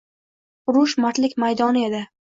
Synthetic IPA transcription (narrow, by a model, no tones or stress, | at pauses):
ʊɾʊʃmaɾt̪lɪkʲmajd̪ɒnɪe̞d̪ɪ